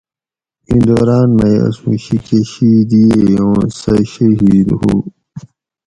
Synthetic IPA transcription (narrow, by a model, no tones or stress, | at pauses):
ĩnd̪oːɾaːnmejɐ̰sũːɕikeɕid̪iejõːsɐɕɐɦiːd̪hṵː